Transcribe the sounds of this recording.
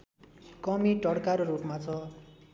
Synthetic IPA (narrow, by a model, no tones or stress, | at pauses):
kʌmiʈʌɽkaɾoɾupmat͡sʰʌ